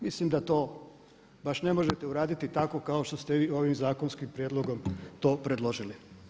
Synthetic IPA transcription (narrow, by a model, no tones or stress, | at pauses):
mislimd̪at̪o̞ː | baʃne̞mo̞ʒet̪euɾaːd̪it̪it̪ako̞kaoʃt̪ost̪eʋiːo̞ʋimzaːkonskimpɾjed̪lˠo̞ɡo̞mt̪o̞ːpɾed̪lo̞ʒili